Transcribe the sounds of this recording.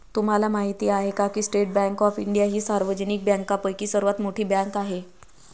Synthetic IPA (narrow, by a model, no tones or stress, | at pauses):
t̪um̤alamaɦit̪iːaɦekakiːsʈeʈ̚bɛ̃ŋkɔfiɳɖijaɦiːsaɾʋəd͡ʑənik̚bjɛ̃ŋkapəjkiːsəɾʋat̪moʈʰiːbɛ̃ŋkaɦe